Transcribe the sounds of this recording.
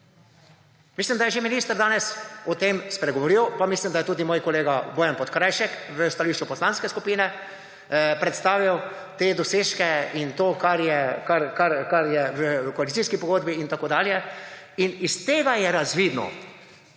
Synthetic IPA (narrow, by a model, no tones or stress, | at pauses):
mislimd̪ajɛʒeminiːst̪əɾd̪aːnɛsɔt̪emspɾɛɡɔʋɔɾiwpamislimd̪ajɛt̪uːd̪imoːjkɔleːɡaboːjanpɔt̪kɾajʃɛkʋəst̪aliːʃt͡ʃupɔslaːnskɛskupiːnɛ | pɾɛt̪st̪aːʋiw | t̪eːd̪ɔseːʃkɛint̪oːkaɾjɛkaɾkaɾkaɾjɛʋəkɔalit̪siskipɔɡoːd̪biiːnt̪akoːd̪aːljɛ | inist̪eːɡajɛɾazʋid̪nɔ̰